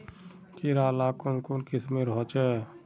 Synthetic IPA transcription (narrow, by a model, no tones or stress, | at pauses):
kiɾaːlakonkonkɪsmẽɾəɦɔt͡ʃɛ